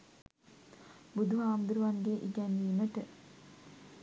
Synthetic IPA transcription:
bud̪ʱuɦaːmd̪uɾuʋaŋɡeʔiɡɛniːməʈə

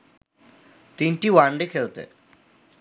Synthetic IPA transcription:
t̪inʈiwaɳɖekʰelt̪ḛ

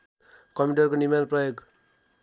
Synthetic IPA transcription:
kʌmiʈʌrkonimanprʌjoɡ

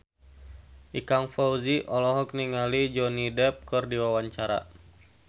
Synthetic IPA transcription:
ʔikaŋfɔuziʔɔlɔɦɔk̚niŋalid͡ʒɔnidɛp̚kərdiwawaɲt͡ʃaɾa̰

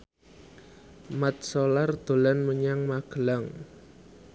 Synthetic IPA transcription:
mat̪̚solard̪̥o̤lanməɲaŋmaɡ̥əlaŋ

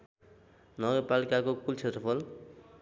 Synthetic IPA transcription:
nʌɡʌrpalikakokult͡sʰet̪rʌpʰʌl

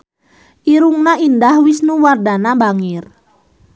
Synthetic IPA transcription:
ʔiɾuŋnaindahwisnuwardanabaŋɪr

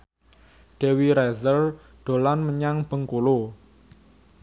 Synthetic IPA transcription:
ɖ̥e̤wiɾɛzər | ɖ̪̥o̤lanməɲaŋb̥ə̤ŋkolo

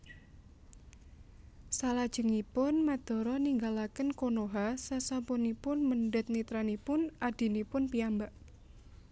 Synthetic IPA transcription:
salad̥ʒ̥ə̤ŋipʊnmad̪̥ɔ̤ɾɔniŋɡalakənkonoɦasasampunipʊnmənɖət̪̚nit̪ɾanipʊnʔad̪̥i̤nipʊnpiambaʔ

